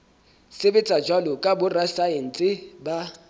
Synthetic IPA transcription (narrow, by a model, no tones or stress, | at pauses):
sɪbɪt͡sʼad͡ʒwalʊkʼabʊrasaen̩t͡sʼɪba